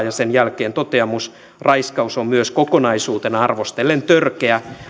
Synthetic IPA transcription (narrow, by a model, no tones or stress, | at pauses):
jɑsenjælkeːnt̪ot̪eɑmus | rɑiskɑusommyøskokonɑisuːt̪enɑɑrʋost̪elːent̪ørkeæ